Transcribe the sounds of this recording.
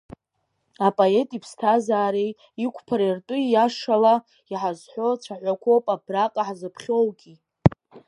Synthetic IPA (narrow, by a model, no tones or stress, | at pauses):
apʼoe̞tʼipʰstʰazaːɾej | ikʷʰpʰaɾirtʼʊjaʂala | iħazħʷo̞t͡ʃʷʰaħʷakʷʰo̞wpʼabraqʼaħzɨpʰχʲo̞wɡʲi